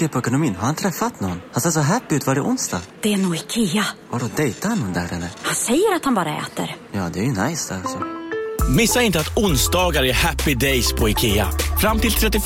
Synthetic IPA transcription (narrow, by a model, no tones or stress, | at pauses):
epʰɔɛkʊnʊmiːnɦaɾhant̪ʰɾɛfːat̪nɔnːhansɛːs̬ɔɦæpːɪʉːt̪vɑːɖɪʔʊnsd̪ɑ̰ːɡd̪̥ɛɛnuːɪkʰeːavaɖɔd̪ɛjt̪aanːɔnd̪æɾɛlːəɾhansɛjːəɾat̪hanbɑːɾaɛ̰ːt̪ə̰ɾjɑːd̪ɛæɾjɵnajsd̪ɛalsɔ | mɪsːaɪnt̪əat̪ʊnsd̪ɑːɡaɾəɛhæpːɪd̪ɛjspʰɔɪkʰeːafɾamt̪ʰɪlt̪ʰɾɛt̪ːɪ